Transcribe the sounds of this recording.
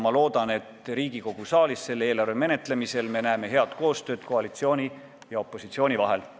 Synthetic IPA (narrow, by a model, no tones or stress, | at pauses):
mɑlo̞ːd̪̥ɑne̞t̪ˑɾiːɡ̥iko̞ɡ̥usɑːlisːe̞lːeːlɑrveme̞ne̞t̪ˑle̞mise̞lme̞næeme̞ɦe̞ɑd̪̥ko̞ːst̪ø̞ːd̪̥ko̞ɑlit̪sio̞ːnʲi | jɑo̞pːˑo̞sit̪sio̞ːnʲivɑɦe̞l